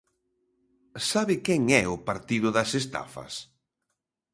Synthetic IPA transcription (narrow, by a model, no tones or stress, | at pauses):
saβɪkɛŋɛʊpaɾt̪iðʊðɐsest̪a̰fɐ̰s